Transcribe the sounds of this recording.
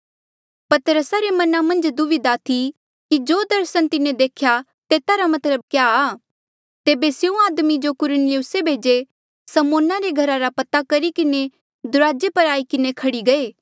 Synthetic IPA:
pɐt̪ɾəsaɾemɐnamɐ̃nd͡ʒd̪ʊʋɪd̪at̪ʰi | kid͡ʒoːd̪ɐɾsənt̪ɪnẽd̪eːkʰja | t̪eːt̪aɾamɐt̪ləb̚kjaː | t̪eːbeseũaːd̪mid͡ʒokʊɾənɪjʊsebʱeːd͡ʒe | sɐmoːnaɾeɡʱɐɾaɾapɐt̪akɐɾikɪne | d̪ʊɾaːd͡ʒepɐɾaːikɪnekʰɐɽiɡɐeː

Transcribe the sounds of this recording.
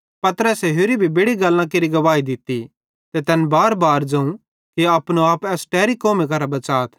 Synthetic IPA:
pɐt̪əɾəsɛɦʊɾibʱibeɽiɡɐlːãk̬eɾiɡɐʋaːid̪ɪt̪ːi | t̪et̪ɛnbaːɾbaːɾd͡ʒɐ̃ũ | kiɐːpnoaːpɛːsʈɛːɾikoːmikɐɾabɐt͡ʃaːt̪ʰ

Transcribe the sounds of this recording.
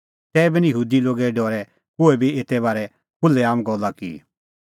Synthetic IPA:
sɛːbɪnjəɦuːd̪iloːɡɛɖɔːɾɛ | kʊɛbʱieːt̪ɛβaːɾɛ | kʊlːɛaːmɡɔlːakḭ

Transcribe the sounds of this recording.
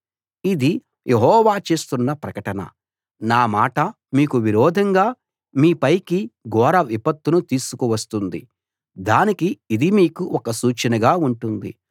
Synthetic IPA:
id̪i | jʔeɦɔːʋaːt͡ʃe̞ːst̪unːɐpɾɐkɐʈɐnɐ̰ | naːmaːʈɐ | miːkuʋiɾɔːd̪ʱɐŋɡaː | miːpɐjkiɡɔːɾɐʋipɐt̪ːunut̪iːsu̥kuʋɐst̪und̪ḭ | d̪aːnikiːd̪imiːkuʔɔkɐsuːt͡ʃɐnɐɡaːuɳʈund̪ḭ

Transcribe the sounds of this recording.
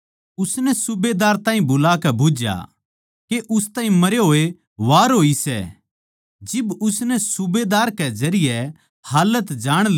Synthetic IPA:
ʊsnɛsʊbed̪aːɾt̪ãːɦĩbʊlaːkɛbʱʊd͡ʒja̰ | keʔʊst̪ãːɦĩmɐɾjoɦoːe | ʋaːɾɦoːisɛ̰ | d͡ʒɪbʊsnɛsʊbeːd̪aːɾkɛd͡ʒɐɾɪjɛ | haːlət̪d͡ʒaːɽ̃l

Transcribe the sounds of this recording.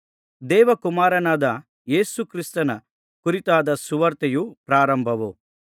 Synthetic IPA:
d̪ɛːʋɐkumaːɾɐnaːd̪ɐ | je̞ːsukɾist̪ɐnɐ | kuɾit̪aːd̪ɐsuʋɐɾt̪ɐjupɾaːɾɐmbʱɐʋu

